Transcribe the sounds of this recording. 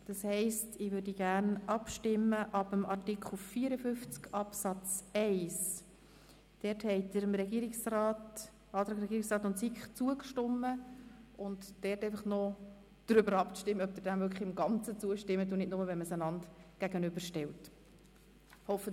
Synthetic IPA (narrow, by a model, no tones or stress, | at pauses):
d̥ɑshɛɪstɪʋʏːɾdiɡæɾnʔɑpʃtɪmːəʔɑbəmɑrtɪkχl̩fiəɾəfʏft͡skɑpsɑt͡sɛɪs | d̥ɛɾthɛɪd̥əɾəmɾɛɡiːɾɪksrɑːt | ɑdəɾəɾɛɡiːɾɪksrɑːtʊntsikχt͡suəkʃtɔmːəʊntd̥ɛɾtɛɪfɑχnɔ | d̥ɾʏbəɾɑpʃtɪmːəœp̚d̪̥əd̥æmvʏkχɪmɡɑnt͡sət͡suəʃtɪmːədunɪdnʊməvɛnməsənɑndɡ̥æɡənʏbəɾʃtɛlt | hɔfə